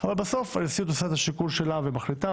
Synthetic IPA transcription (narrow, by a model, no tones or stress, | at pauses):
avalbaso̞falisit̪osat̪aʃikulʃe̞lavemaχlit̪a